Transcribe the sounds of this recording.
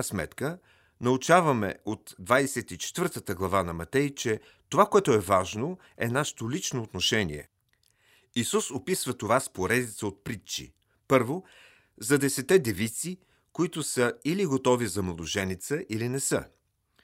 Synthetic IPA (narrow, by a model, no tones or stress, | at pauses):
əsmɛ̰t̪kə | nɐut͡ʃavɐmɛ̰ot̪d̪vajsɛt̪it͡ʃɛ̥t̪vəɾt̪ət̪əɡlˠɐvanɐmɐt̪ɛjt͡ʃɛ | t̪ovakoɛt̪ʊɛvaʒno | ɛnaʃɛ̥t̪olit͡ʃnoːt̪noʃɛnḭɛ̰ | isusopisvət̪ovaspoɾɛd̪it̪səot̪̚pɾit͡ʃḭ | pɤɾvo | zɐd̪ɛsɛt̪ɛd̪ɛvit̪si | koit̪ʊsəiliɡot̪ɔvizɐmɛlˠoʒɛnit̪səʔilinɛsə̰